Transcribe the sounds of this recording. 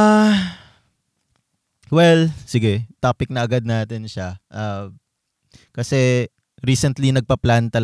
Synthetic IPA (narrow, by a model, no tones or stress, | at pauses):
a | wɛlsɪɡɛt̪apɪk̚nɐʔɐɡad̪̚naːt̪ɛnʃaʔa | kɐsɛ | ɾiːsɛnt̪linɐɡ̚pɐplant̪ɐl